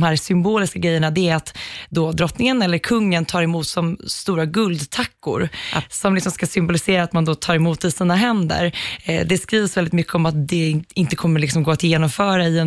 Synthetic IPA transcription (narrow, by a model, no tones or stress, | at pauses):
mhæːɾsʏmboːlɪskaɡɾɛjːəɳad̪ɛæɾat̪d̪oːd̪ɾɔt̪nɪŋənɛlːəɾkʰɵŋːənt̪ʰɑːɾɛmuːt̪sɔmst̪uːɾaɡɵld̪t̪ʰakːʊ̰ɾsɔmlɪksɔmskasʏmbʊlɪseːɾat̪mand̪oːt̪ʰɑːɾɛmuːt̪ːɪsiːnaɦɛnd̪ə̰ɾd̪ɛskɾiːvəsvɛlɪt̪mʏkːəɔmat̪̚d̪ɛɪnt̪əkʰɔmːəɾɭɪksɔmɡoːat̪jeːnɔmfœːɾaɪɛ